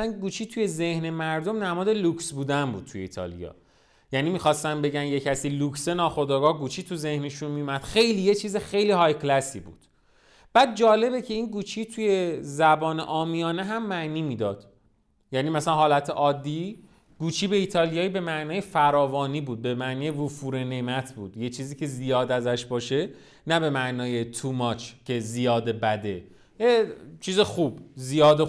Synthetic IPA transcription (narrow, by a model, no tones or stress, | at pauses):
sænɡuːt͡ʃʰiːt̪ʰuje̞ze̞hne̞mæɾd̪o̞mnæmɒːd̪e̞luksbuːd̪ænbṵːd̪̥̚t̪ʰuje̞ḭːt̪ʰɒ̰lḭjɒ̰ː | jænimixɒːst̪æmbe̞ɟænje̞cʰæsiːlukse̞nɒːxo̞d̪ɒːɡɒːhɡuːt͡ʃʰiːt̪ʰuze̞hne̞ʃunmijumæd̪xe̞jliːje̞t͡ʃʰiːzexe̞jliːɦɒjklæsḭbṵːd̪̥ | b̥æːd̪̚d͡ʒɒːle̞be̞cʰe̞inɡuːt͡ʃʰit̪ʰuje̞zæbɒːnḛʔɒːmijɒːneɦæmːæʔniːmiːd̪ɒːd̪̥ | jæniːmæsælænɦɒːlæt̪ʰeʔɒːd̪ːi | ɡ̥uːt͡ʃʰiːbe̞iːt̪ʰɒːlijɒːibe̞mæʔnɒːjefæɾɒːvɒːniːbuːd̪̚be̞mæʔniːjevufuːɾene̞mæt̪ʰbuːd̪jet͡ʃʰiːziːcʰe̞zijɒːd̪æzæʃbɒːʃe̞ | næbe̞mæʔnɒːje̞t̪ʰumɒːt͡ʃʰcʰe̞zijɒːd̪e̞bæd̪e | jet͡ʃʰiːzexuːbzijɒːd̪e